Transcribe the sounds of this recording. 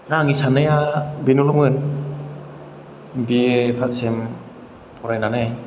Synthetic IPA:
naŋisanɯjabinulɔmɯn | biepʰat̚sem | pʰɔɾajnanej

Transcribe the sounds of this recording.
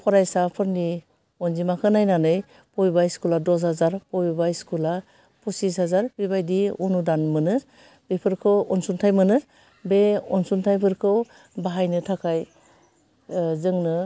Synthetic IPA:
pʰɔɾajsapʰɯɾni | ɔnzimakʰɯnajnanɯj | pɔjbaiskuladɔs̬hazaɾpɔjbaiskula | pʰusis̬hazaɾbibajdiunudanmɯnɯɾ | bepʰɯɾkʰɯwɔnsuntʰajmɯnɯɾ | beɔnsuntʰajpʰɯɾkʰɯw | baɦajnɯtʰakʰaj | zɯŋnɯ

